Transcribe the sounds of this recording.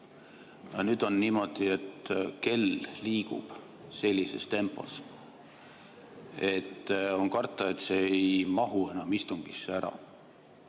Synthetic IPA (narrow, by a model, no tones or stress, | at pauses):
jɑnyːd̪̥o̞nːiːmo̞d̪̥ie̞t̪ke̞lliːɡṵb̥ | se̞lʲːise̞̰st̪e̞mpːˑo̞̰s | e̞t̪ːonkɑrt̪ːˑɑe̞t̪ˑse̞ejmɑɦue̞nɑmist̪uŋɡ̥isːæɾɑ̰